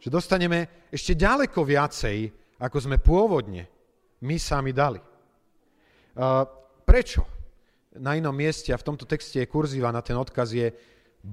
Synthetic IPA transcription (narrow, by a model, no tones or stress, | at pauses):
ʒ̥ɛd̪ɔst̪aɲɛmɛ | ɛʃcɛɟalɛkɔʋɪat͡sɛj | akɔzmɛpʊɔʋɔd̪ɲɛ̰ | misamid̪ali | pɾɛt͡ʃɔ̰ | nainɔmːɪɛscɛaft̪ɔmt̪ɔt̪ɛkscɛjɛkuɾziːʋanat̪ɛnɔt̪kazjɛ